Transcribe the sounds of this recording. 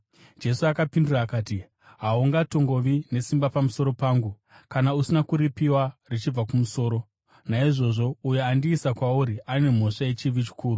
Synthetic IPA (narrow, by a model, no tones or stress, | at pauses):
d͡ʒe̞suakapinduraːkaːti | ɦauŋɡato̞ŋɡo̞ʋine̞simbapamuso̞ɾo̞paːŋɡu | kanausinakuɾipiwarit͡ʃib͡vakumuso̞ːɾo | naiʐo̞ʐo̞ujeandiːsakwauɾiʔaine̞m̤o̞ʂajet͡ʃiʋit͡ʃi̥kʰuːru